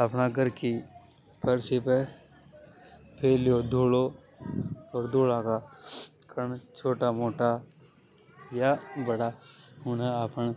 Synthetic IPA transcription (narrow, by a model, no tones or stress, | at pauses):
əpnaɡəɾki | pʰəɾsipe | pʰeːljod̪ʱoːlo | ɔːɾd̪ʱoːlakakʰəɳt͡ʃʰoːʈamoːʈa | jabəɽaʊnẽapən